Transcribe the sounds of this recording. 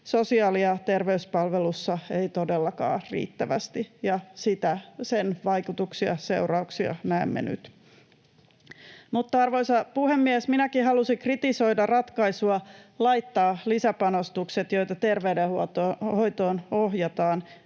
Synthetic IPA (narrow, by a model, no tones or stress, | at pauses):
sosiɑːliɑt̪erʋeyspɑlʋelusːɑeit̪odelːɑkɑ̰ːrḭːt̪ːæʋæst̪ijɑsit̪æsenʋɑjkut̪uksiɑ̰se̞̰urɑuksiɑ̰næːmːḛny̰t̪ | mut̪ːɑɑrʋoisɑpuhemːiesminækihɑlusikrit̪iso̞idɑrɑt̪kɑisuɑlɑjt̪ːɑːlisæpɑnost̪ukset̪jo̞jt̪ɑt̪erʋeydehut̪oho̞jt̪oːnoɦjɑt̪ɑːn